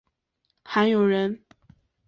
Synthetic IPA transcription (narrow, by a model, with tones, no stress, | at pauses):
xa˧˥njo˨˩ʊɻə˧˥n